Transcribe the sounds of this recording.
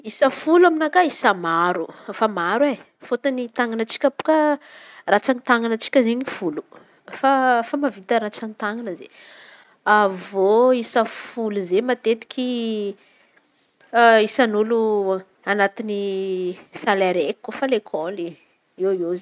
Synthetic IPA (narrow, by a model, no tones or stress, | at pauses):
isəfuluaminakaisəmaɾufamaɾwe | fot̪anit̪aŋanət͡si̥kʲəpu̥kərat͡sanit̪aŋanət͡si̥kʲəzeɲifulu̥ | fafamavit̪əɾat͡sanit̪aŋanəzḛ | avoisəfuluzemat̪et̪i̥kʲʰi | isanulu | anat̪ini | salaɾekikːofalekʰoli | ewez